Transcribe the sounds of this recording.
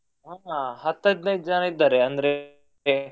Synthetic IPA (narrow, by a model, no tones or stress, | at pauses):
ɦaːhɐt̪ːɐjd̪nɐjit̪̚d͡ʒɐnaid̪ːaːɾeɐnd̪ɐɾe